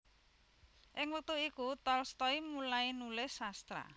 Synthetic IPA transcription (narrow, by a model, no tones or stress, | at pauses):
ʔɪŋwək̚t̪uikut̪ɔlst̪ɔimulainulɪhsast̪ɾa̰